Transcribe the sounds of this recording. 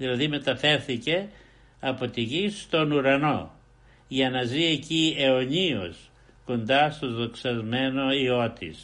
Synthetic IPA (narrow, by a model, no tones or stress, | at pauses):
ðilɐðime̞t̪ɐfe̞ɾθice̞ | ɐpo̞t̪iʝist̪o̞nuɾɐno̞ | ʝɐnɐzie̞cie̞oɲio̰s | ko̞nd̪ɐst̪ozðo̞ksɐzme̞no̞io̞t̪is